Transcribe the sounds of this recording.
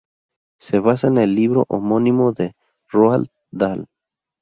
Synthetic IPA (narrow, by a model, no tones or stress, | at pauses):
seβasanelːiβɾo̰ʔomonimoðe | roal | d̪al